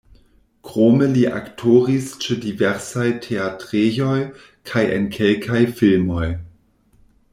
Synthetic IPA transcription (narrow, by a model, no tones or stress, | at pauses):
kʁoməliʔa̰ktʰoʁist͡ʃedivɛʁsajtʰeatʁejoj | kʰajʔḛnkʰelkʰajfilmoj